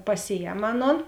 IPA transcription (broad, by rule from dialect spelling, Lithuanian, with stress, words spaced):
pɐˈsʲɪˌjɛm ˈɑːˌnoːn